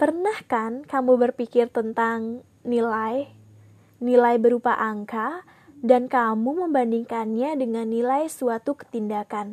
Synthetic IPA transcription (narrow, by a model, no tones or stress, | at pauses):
pərnahkankamubərpikɪrt̪ənt̪aŋ | nilaj | nilajbəɾupaʔaŋka | dankamuməmbandiŋkanɲadəŋanːilajsuat̪ukə̥t̪indakan